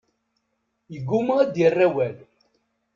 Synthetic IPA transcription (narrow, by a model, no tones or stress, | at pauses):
jəɡːuməd̪jərːæwæl